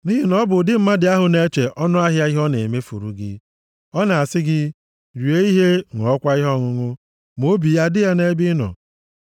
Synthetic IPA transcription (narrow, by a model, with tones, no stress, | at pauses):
ni˦ɦi˦nɔ˦bʊ˨dɪ˦m̩˦ma˦dɪ˨a˦ɦʊ˨ne˦t͡ʃe˨ʔɔ˦nʊ˦a˦ɦja˦i˦ɦɔ˦ne˨me˦fṵ˨ɾṵ˨ɡɪ̰˦ | ɔ˦na˨a˨sɪ˦ɡɪ˦ | ɾi˨e˦i˦ɦe˦ŋɔ˨ɔ˦kʷa˦i˦ɦɔ˦ŋʊ˦ŋʊ˦ | m˨o˦bi˨ja˦dɪ˦ja˦ne˦bi˦nɔ̰˨